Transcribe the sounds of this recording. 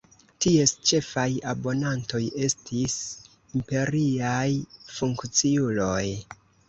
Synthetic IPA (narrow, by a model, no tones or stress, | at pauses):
tie̞st͡ʃe̞fajabo̞nanto̞je̞stʰis | impe̞ɾiajfuŋkt͡siulo̞j